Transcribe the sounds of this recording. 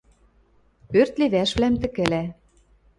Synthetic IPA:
ørt̪liβæʃβlæmt̪ɘ̆kɘ̆læ

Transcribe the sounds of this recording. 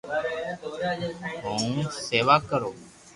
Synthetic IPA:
ɦũːseːʋaːkəɾoː

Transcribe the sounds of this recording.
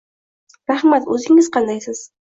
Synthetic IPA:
ɾahmat̪ɵzɪŋɪzqʰɑnd̪ajsɪz̥

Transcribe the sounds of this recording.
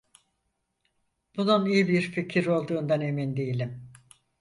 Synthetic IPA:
b̥ununijibiɾficʰiɾo̞lˠd̪uːnd̪ane̞mind̪ejilʲim

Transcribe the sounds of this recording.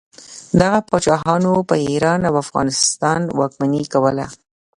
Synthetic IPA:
d̪aɣapɑt͡ʃɑɦɑnopəiɾɑnawafɣɑ̰nɪst̪ɑnwɑk̚manikawəla̰

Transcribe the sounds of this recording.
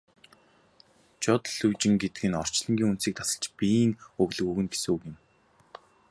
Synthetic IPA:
t͡ɕɔt̪ɮɵwt͡ɕɪ̆ŋɡet̪ɡɘ̆nɔr̥t͡ɕɮə̆ŋɡʲiːŋun̥siːk̚t̪ʰasə̆ɮt͡ɕpiŋɵɣɮɵ̆ɣuːɣɘ̆nɡe̥suːɡɪ̆m

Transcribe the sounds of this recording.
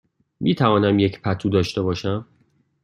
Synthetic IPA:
miːt̪ʰævɒːnæmjecʰpʰæt̪ʰuːd̪ɒːʃt̪e̞bɒːʃæm

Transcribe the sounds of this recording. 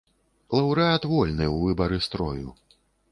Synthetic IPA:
lˠɐwɾɨat̪vɔlʲnɨwvɨbɐɾɨst̪ɾɔ̰jṵ

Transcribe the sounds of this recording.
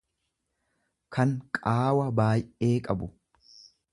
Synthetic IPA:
kʰɐŋkʼaːwɐbaːjʔe̞ːkʼɐbʊ

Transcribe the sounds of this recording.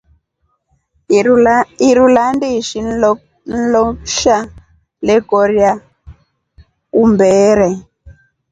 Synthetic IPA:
iɾulandiʃi | n̩lɔʃa | lɛkɔɾjja | kumbɛːɾɛ

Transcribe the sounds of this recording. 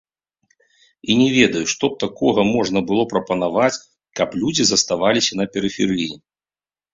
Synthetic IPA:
inʲɛvʲɛd̪ɐjuʂt̪ɔp̚t̪akɔɣɐmɔʐnɐbɨlˠɔpɾɐpɐnavat͡sʲ | kɐplʲud͡zʲizɐst̪avalʲisʲɐnɐpʲɛɾɨfʲɛɾɨji

